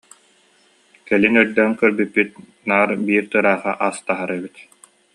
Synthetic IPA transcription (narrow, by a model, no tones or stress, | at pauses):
kɛlinœɾd̪ɛŋkœɾbypːyt̪̚ | naːɾbiːɾt̪ɯɾaːχa̰ʔast̪aɦaɾɛbit̪